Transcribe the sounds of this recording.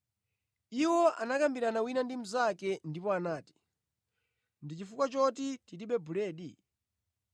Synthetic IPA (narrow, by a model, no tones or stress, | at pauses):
iwɔʔanakambiɾanawinandim̩zakɛndipɔanaːti̥ | ndit͡ʃifukwat͡ʃɔtititiɓɛbuɾɛːɗi